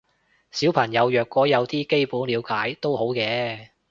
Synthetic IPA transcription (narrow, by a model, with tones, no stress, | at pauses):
siː˨˥wpʰɐ˨˩ŋjɐ˨˧wjœː˨kːɔː˨˥jɐ˨˧wt̪iː˥ke˥jpuː˨˥nliː˨˧wkaː˨˥jt̪o˥who˨˥wkɛː˨˧